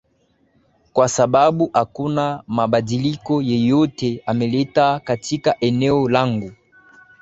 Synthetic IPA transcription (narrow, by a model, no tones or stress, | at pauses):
kwasababuʔakunamabadilikɔjejoteameletakatikaʔɛnɛolaŋɡu